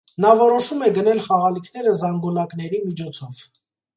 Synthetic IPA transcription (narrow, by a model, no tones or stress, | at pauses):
nɑvɔɾɔʃumɛɡənɛlχɑʁɑlikʰn̪ɛɾəzɑŋɡɔnɑknɛɾimit͡ʃʰɔt͡sʰɔv